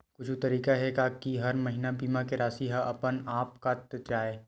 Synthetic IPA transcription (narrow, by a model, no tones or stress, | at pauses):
kʊt͡ʃʰut̪ɐɾiːkaɦɛkakiɦɐɾmɐɦinabiːmakeɾaːsiɦaʔɐpənaːpkat̪d͡ʒaːeː